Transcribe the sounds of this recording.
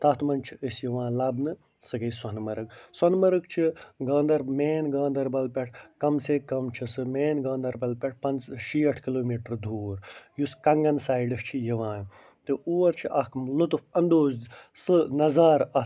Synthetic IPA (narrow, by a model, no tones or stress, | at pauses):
t̪ɐt̪ʰmɐnt͡ʃʰiəsjiʋãːlɐbnɨ | sɨɡɐjsɐnmɐɾɨk̚sɐnmɐɾɨkt͡ʃʰiɡɐːnd̪ɐɾmeːnɡaːnd̪ɐɾbɐlpʲɐʈ̚ʰkɐmsekɐmt͡ʃʰisɨmeːnɡɐ̃ːnd̪ɐɾbɐlpʲeʈ̚ʰpɐnzʃiːɐʈʰkiloːmiːʈɾd̪ʱuːɾjuskɐŋɡɐnsaːjɖɨst͡ʃʰijɐʋãːn | t̪ɨuːɐɾt͡ʃʰiʔɐkʰmlut̪ufʰɐnd̪oːzsɨnɐzaːɾɐ